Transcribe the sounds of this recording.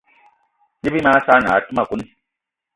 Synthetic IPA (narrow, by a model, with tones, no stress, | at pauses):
ni˦bi˦ma˦sa˦na˨˦tu˦ma˨ku˦ni˦˨